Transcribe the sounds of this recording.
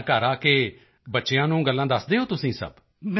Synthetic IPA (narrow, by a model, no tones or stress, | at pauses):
kəːɾaːkeː | bətːʃeãːnũːɡəlːãːd̪əsd̪eːɦoːt̪ʊsĩːsə̰b | n